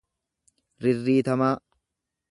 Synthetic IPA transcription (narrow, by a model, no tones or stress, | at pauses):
ɾɪrːiːt̪ɐmaː